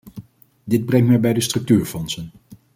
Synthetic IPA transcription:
dɪd̚brɛŋtmɛjbɛjdəstrɵk̚tyːɹfɔnsən

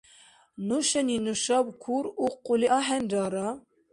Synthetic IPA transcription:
nuʃɛninuʃɑːbkʰuɾuːquliʔɑːɦɛnd͡ʒɑːɾɑ

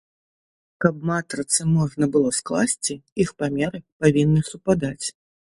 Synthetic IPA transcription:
kɐb̚mat̪ɾɨt̪sɨmɔʐnɐbɨlˠɔsklˠasʲt͡sʲiixpamʲɛɾɨpavʲinːɨsupad̪at͡sʲ

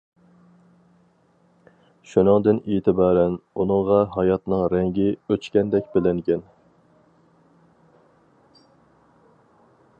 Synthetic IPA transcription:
ʃunɨŋd̪ɪneːt̪ʰɨbɑːɾɛnunɨŋʁɑɦɑjɑt̪nɨŋɾɛŋɡʲɪøt͡ʃkʲɛnd̪ɛkʲbɪlɪŋɡʲɛn

